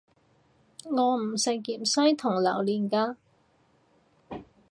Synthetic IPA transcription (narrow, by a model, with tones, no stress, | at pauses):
ŋɔː˨˧m̩˨˩sɪ˨˩kkiː˨msɐ˥jt̪ʰʊ˨˩ŋlɐ˨˩wliː˨nkaː˧